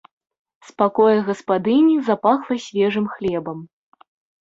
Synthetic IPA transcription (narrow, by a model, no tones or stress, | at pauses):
spakɔjɐɣɐspad̪ɨnʲizapaxlˠɐsʲvʲɛʐɨmxlʲɛbɐm